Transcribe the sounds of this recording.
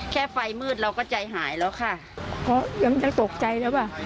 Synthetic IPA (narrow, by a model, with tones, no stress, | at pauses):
kʰɛː˧˩fa˧˩jmɯː˧˩t̪̚ɾa˧wkɔː˧˩t͡ɕa˧˩jɦaː˩˦jlɛː˨˧˥wkʰa˧˥˩ | kɔː˧˩ja˧˦ŋɲa˧ŋt̪o˨˩k̚t͡ɕa˧jlɛː˧˥˩waː˧˩